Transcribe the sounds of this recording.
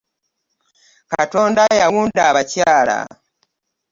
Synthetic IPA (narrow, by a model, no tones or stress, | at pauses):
kato̞ːndajawuːndaβacaːla̰